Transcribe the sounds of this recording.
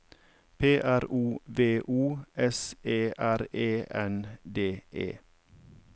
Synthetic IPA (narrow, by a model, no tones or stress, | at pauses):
pʰeːʔæɾuːʋeːʔuːʔɛseːʔæɾeːʔɛnd̪eːʔḛː